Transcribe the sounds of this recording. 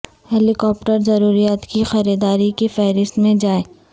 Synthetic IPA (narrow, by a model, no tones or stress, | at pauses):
ɦɛːlɪkɔːp̚ʈəɾzɐɾuːɾijaːt̪kixɐɾiːd̪aːɾikefɛɦɾɪst̪mẽd͡ʒaːeː